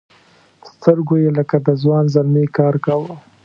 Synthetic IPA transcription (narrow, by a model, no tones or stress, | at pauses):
st̪əɾɡojeləkad̪əzwɑnzalmekɑɾkawə